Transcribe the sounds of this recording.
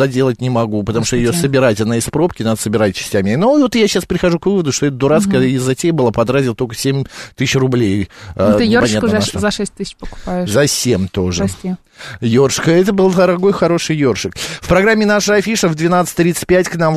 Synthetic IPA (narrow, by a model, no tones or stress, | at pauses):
ɐdʲe̞lˠət̚ʲnʲɪmɐɡupət̪ɐmuʂt̪ojɪjosəbʲɪɾatʲnəɪspɾo̞pkʲɪnad̪əsəbʲɪɾat̚ʲt͡ɕɪ̥sʲtʲæmʲɪnovot̪jaɕaspɾʲɪxɐʐukvɨvəd̪ʊʂt̪o̞ɛt̪̚d̪ʊɾat̪skəɪzɐtʲejbɨlˠapɐd̪ɾazʲɪlˠt̪olʲkəsʲemʲt̪ɨsʲɕrʊblʲejt̪ɨjopɐnʲat̪zɐʂɛsʲt̚ʲt̪ɨsʲɪt͡ɕpəkʊ̥paʊɪzɐsʲemʲt̪o̞ʐɨem | jo̞rʂkəɛt̪əbɨlˠd̪əɾɐɡo̞jxɐɾo̞ʂɨjjo̞rʂɨkfpɾɐɡɾamʲːɪnaʂəɐfʲiʂəvd̪vʲɪnat̪sɨ̥tʲt̪ɾʲit̪sɨ̥t̚ʲpʲætʲknam